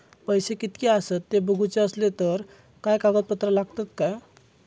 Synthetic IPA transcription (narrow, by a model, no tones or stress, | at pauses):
pəjsekit̪kiasət̪ːebəɡʱut͡seəslet̪əɾ | kajkaɡət̪̚pət̪ɾəlaɡt̪at̪kaj